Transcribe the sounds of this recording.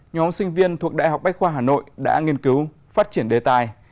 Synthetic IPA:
ɲɔ˨˦msï˧ŋ̟vi˧ənt̪ʰu˨˩ək̚ɗa̰ː˧˨jɦa˨˩wk͡p̚ɓa˦˥k̚xwaː˧ɦaː˨˩no̰˧˨jɗa̰ː˧˥ŋi˧ənkɨ˨˦w | faː˦˥t̚t͡ɕi˧˩ənɗe˨˩t̪aː˧˨j

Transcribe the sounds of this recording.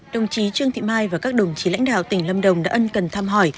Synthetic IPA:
ɗə˨˩wŋ͡mt͡ɕi˨˦t͡ɕɨ˧əŋt̪ʰḭ˧˨maː˧jvaː˨˩ka˦˥k̚ɗə˨˩wŋ͡mt͡ɕi˨˦la̰˧˥jŋ̟ɗa̰ː˧˨wt̪ï˧˩ŋ̟lə˧mɗə˨˩wŋ͡mɗa̰ː˧˥ʔə˧nkə˨˩nt̪ʰaː˧mɦɔ˧˩j

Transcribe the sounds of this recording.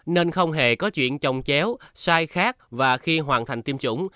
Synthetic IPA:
ne˧nxə˧wŋ͡mɦe˨˩kɔ˨˦t͡ɕwḭ˧˨ənt͡ɕə˧wŋ͡mt͡ɕɛ˨˦wsaː˧jxaː˦˥k̚vaː˨˩xi˧ɦwaː˨˩nt̪ʰa˨˩jŋ̟t̪i˧əmt͡ɕʊ̰˧˩˨ŋ͡m

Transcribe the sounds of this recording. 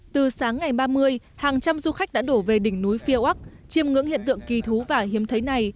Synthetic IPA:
t̪ɨ˨˩saː˨˦ŋːa˨˩jɓaː˧mɨ˧əj | haː˨˩ŋt͡ɕa˧mzu˧xa˦˥k̟̚ɗa̰ː˧˥ɗo˧˩ve˨˩ɗï˧˩ŋ̟nu˨˦jfi˧ə˧ʔa˦˥k̚t͡ɕi˧əmŋɨ̰˧˥ŋhḭ˧˨ənt̪ɨ̰˧˨əŋki˨˩t̪ʰu˨˦vaː˨˩hi˨˦əmt̪ʰə˨˦jna˨˩j

